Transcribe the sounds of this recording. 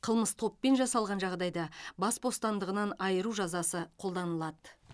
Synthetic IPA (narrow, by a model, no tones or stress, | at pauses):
qʰəlˠməst̪ʰo̞pːe̞nʒɑsɑlˠʁɑnʒɑʁd̪ɑjd̪ɑbɑsbo̞st̪ɑnd̪əʁənɑnɑjəɾuʒɑzɑsəqʰo̞lˠd̪ɑnəlˠɑd̪ə